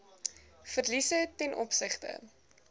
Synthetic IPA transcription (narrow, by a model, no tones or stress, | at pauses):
fərlisətɛnʔɔ̰psəχtə̰